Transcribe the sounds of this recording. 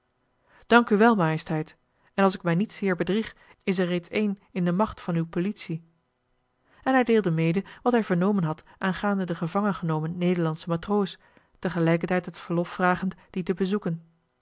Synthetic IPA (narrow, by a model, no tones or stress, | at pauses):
d̥ɑŋkyʋɛlˠmaːjəstɦɛjt | ɛnɑlˠsɪk̚mɛjnitsɪːɹbədriχ | ɪsɛɹrejtsejnɪndəmɑχtfɑnywpolitsi | ɛnɦɛjdeːlˠdəmejdəʋɑtɦɛjvəɹnowmənɦɑt | ʔaːnχaːndədəχəvɑŋənχənowmənːejdəɹlɑnsəmatrows | təχəlɛjkəɹtɛjtɦətfəɹlɔfːraːχəntd̥itəbəzukən